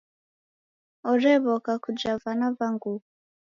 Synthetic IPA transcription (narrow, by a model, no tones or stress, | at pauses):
ɔɾɛβɔkakud͡ʒavanaβaŋɡu